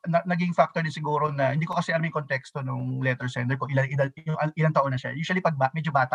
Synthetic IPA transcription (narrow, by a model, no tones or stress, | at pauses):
nɐnɐɡiŋfak̚t̪oɹd̪ɪnsɪɡuːɾo̞nɐhɪnd̪iːkokɐsɛʔɐlamɪŋkont̪ɛkst̪o̞nʊŋlɛt̪ɛɹsɛnt̪ɛɹkoʔɪlaŋɪd̪ɐjʊŋʔɐʔɪlanŋt̪ɐʔonːɐʃa̰juːʃɐlipɐɡ̚bamɛd͡ʒobaːt̪ɐʔ